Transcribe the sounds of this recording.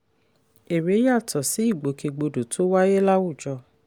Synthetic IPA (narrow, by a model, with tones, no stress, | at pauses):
e˨ɾe˨˦ja˦˨tʰɔ˨si˨˦i˦˨ɡ͡bo˨˦ke˧ɡ͡bo˧do˨tʰo˨˦wa˦je˦la˦wu˦˨d͡ʒɔ˧